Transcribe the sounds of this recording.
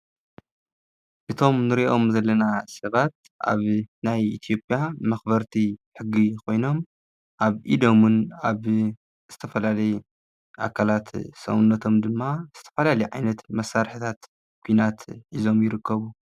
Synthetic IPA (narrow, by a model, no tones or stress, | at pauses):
ʔɨt̪ʰo̞mnɨɾiʔo̞mzɐlːɐnasɐβat̪̚ | ʔa̰βnajit̪ʰijo̞pʼjamɐxbɐɾt̪ʰiħɨɡːikʰo̞jno̞m | ʔaβʔid̪o̞mɨnaβ | z̥ɨt̪ʰɐfɐlalɐju | ʔa̰kʰalat̪sɐ̰wunːɐt̪ʰo̞md̪ɨmːaz̥ɨt̪ʰɐfɐlalɐjʕajnɐt̪mɐsːaɾħɨt̪ʰat̪ | kʷʰujnat̪ʔizo̞mjɪɾɨkːɐβu